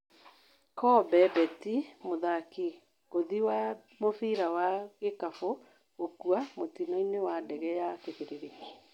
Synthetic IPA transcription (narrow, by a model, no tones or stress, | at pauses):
kɔbɛbɛtimoðaki | ɣoðiwa | mofiɾawaɣekafo | ɣokuamotinɔinewadɛɣɛjakeðeɾɾeŋe